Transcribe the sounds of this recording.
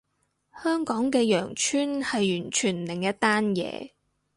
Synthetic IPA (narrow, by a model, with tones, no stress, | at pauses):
hœː˥ŋkɔː˨˥ŋkɛː˧jœː˨˩ŋt͡ʃʰyː˥nhɐ˨jjyː˨˩nt͡ʃʰyː˨˩nlɪ˨˩ŋjɐ˥t̚t̪aː˥njɛ̰ː˨˧